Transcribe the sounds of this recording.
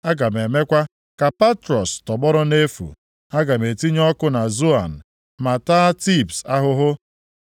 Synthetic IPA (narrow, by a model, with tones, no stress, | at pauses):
a˦ɡa˨me˨me˦kʷa˦ | ka˨pa˦tɾɔ˨stɔ˨bɔ˦ɾʊ˦ne˦fṵ˨ | a˦ɡa˨me˨ti˦ɲɔ˦kʊ˦na˨zu˦a˨n̩˨ | ma˨taː˦ti˦˨psa˦ɦʊ˦ɦʊ˦